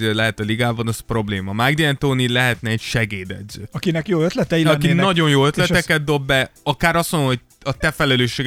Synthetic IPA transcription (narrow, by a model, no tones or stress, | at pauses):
elɛɦɛt̪ɒliɡaːbɒnɒzpro̞bleːmɒmaɡd̪iɛnt̪oːnilɛɦɛt̪nɛːcʃɛɡeːd̪ɛ̰d̪zø̰ːɒkinɛkjoːøt̪lɛt̪ɛiɒkinɒɟo̞njoːø̞t̪lɛɛkɛd̪̚d̪o̞bːɛɒkaːɾɒsonoɦoc̚ | ɒt̪ɛfɛlɛløːʃːeːɡ